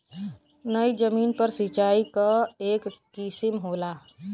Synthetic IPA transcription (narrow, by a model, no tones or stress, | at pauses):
nəjd͡ʒəmiːnpəɾsit͡ʃaikəekːisimɦola